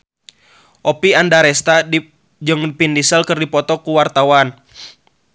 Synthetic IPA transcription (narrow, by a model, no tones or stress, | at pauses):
ʔɔpiandaɾɛst̪a | d͡ʒɨŋpindisəlkɨrdipɔt̪ɔkuwart̪awan